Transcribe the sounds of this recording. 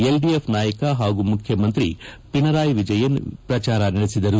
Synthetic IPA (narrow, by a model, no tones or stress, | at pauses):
elɖiepʰnaːjɐkɐɦaːɡumukʰjɐmɐnt̪ɾipinɐɾaːjʋid͡ʒɐjɐn̰pɾɐt͡ʃaːɾɐnɐɽesid̪ɐɾu